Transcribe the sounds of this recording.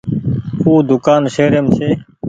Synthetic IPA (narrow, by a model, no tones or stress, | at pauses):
huːd̪ʊkaːnseːɾeːmt͡ʃʰeː